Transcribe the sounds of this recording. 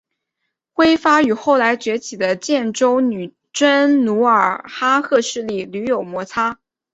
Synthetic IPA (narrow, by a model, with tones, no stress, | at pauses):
xwe˥ɪfa˥y˨˩xo˥˩ʊla˧˥ɪt͡ɕɥɛ˧˥t͡ɕʰi˨˩d̪ə˦t͡ɕjɛ˥˩nʈ͡ʂo˥ʊny˨˩ | ʈ͡ʂə˥nnu˧˥ə˞˨˩xa˥xɤ˥˧ʂɻ̩˥˧li˥˩ly˧˥jo˨˩ʊmwɔ˧˥t͡sʰa˥